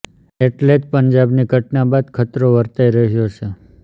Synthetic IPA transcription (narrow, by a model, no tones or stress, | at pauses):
eʈled͡ʒpəɲd͡ʒabniɡʱəʈnabad̪kʰət̪ɾoʋəɾt̪aiɾəɦjot͡ʃʰe